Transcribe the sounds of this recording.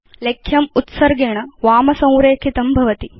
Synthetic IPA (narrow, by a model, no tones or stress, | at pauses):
lekʰːjɐmut̪sɐɾɡeːɳɐʋaːmɐsɐ̃w̃ɾeːkʰit̪ɐmbʱɐʋɐt̪i